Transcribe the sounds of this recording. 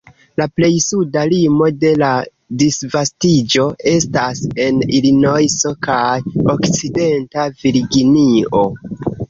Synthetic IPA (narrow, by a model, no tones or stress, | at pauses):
laple̞jsudalimo̞de̞la | disvastid͡ʒo̞e̞stase̞nilino̞jso̞kajo̞kt͡side̞ntaviɾɡinio̞